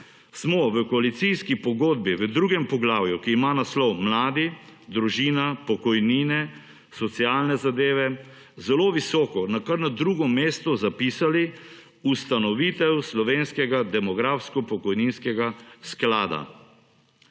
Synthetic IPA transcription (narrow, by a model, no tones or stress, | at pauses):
smɔʋəkɔalit̪siskipɔɡoːd̪biʋəd̪ɾuːɡɛmpɔɡlaːwjukiːmanaslɔwmlaːd̪id̪ɾuʒiːnapɔkɔjniːnɛ | sɔt̪sialnɛzad̪eːʋɛ | zɛloʋisɔːkɔnakaɾnad̪ɾuɡɔmeːst̪ɔzapiːsali | ust̪anɔʋiːt̪ɛwslɔʋeːnskɛɡad̪ɛmɔɡɾaːfskɔpɔkɔjninskɛɡasklaːd̪a̰